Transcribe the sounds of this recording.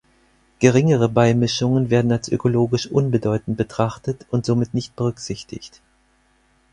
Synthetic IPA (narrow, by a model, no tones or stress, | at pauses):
ɡ̥əʁ̞ɪŋəʁ̞əbaɪmɪʃʊŋənveːɐdn̩alsʔø̰koloːɡɪʃʔʊnbədɔʏtn̩t̚b̥ətʁ̥aχtətʊntz̥oːmɪtnɪçt̚b̥əʁ̞ʏkz̥ɪçtɪ̰çt